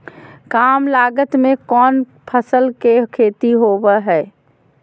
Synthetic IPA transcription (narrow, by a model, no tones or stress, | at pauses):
kaːmlaːɡət̪mẽkɔːn | pʰəsəlkekʰeːt̪iɦoːʋəɦɛː